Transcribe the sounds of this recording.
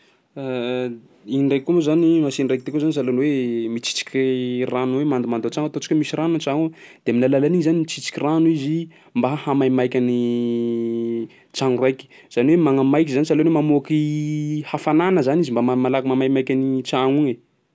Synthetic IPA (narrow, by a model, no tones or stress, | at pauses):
inirajkumuzanimasinrajk̚t̪ekuzanisalonwemit͡si̥t͡si̥kʲranuwemand̪umand̪ot͡saŋat̪ot͡ʃi̥kʲəmisiranut͡ʃaud̪̥emilalalaniɲzanimit͡sit͡si̥kʲiranizi | mbaɦhamajmajkʲani | t͡ʃaŋrajkʲi̥ | z̥aniwemaŋəmajkʲizanisalonwemamoakihafananəzanizimbamamalakimamajmajkʲanit͡saŋuŋe